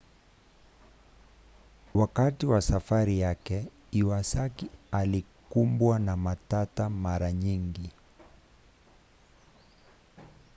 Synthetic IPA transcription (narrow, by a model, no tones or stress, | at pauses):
wakatiwasafaɾijakɛ | iwasakialikumbwanamatatamaɾaɲiŋɡi